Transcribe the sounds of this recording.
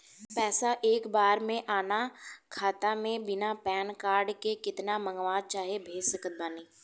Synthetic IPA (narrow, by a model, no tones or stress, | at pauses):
pɛːsaʔeːkbaːɾmẽʔaːnakʰaːt̪amẽbɪnapɛːnkaːɾɖkekɪt̪namə̃ŋɡʋaːt͡ʃaːɦebʱeːd͡ʒsəkət̪̚baːniː